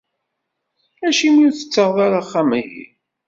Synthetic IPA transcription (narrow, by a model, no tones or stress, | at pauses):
æʃimiθə̥t͡sːəʁðˤɑɾˤaχːaməjḭ